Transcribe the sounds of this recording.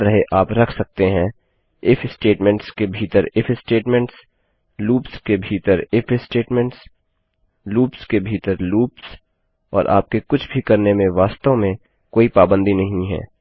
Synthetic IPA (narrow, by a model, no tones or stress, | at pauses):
ɾɐɦeʔaːpɾɐkʰsɐk̚t̪eɦɛ̃ | ɪfɪsʈeːʈmɛ̃ɳʈskebʱiːt̪əɾɪfʰɪsʈeːʈmɛ̃ɳʈs | luːpskebʱiːt̪əɾɪfʰɪsʈeːʈmɛ̃ɳʈs | luːpskebʱiːt̪əɾluːps | ɔ̰ːɾʔa̰ːp̚kekʊt͡ʃʰbʱikɐɾnemẽʋaːst̪õmẽ | koːipaːbə̃nd̪inɐɦĩɦɛ̰ː